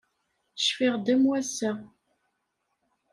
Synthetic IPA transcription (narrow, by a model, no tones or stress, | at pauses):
ʃfiʁd̪æmwæsæ